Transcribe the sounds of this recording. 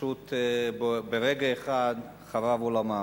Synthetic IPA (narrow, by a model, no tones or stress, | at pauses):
ut̪bbeʁeɡaeχad̪ | χavavolama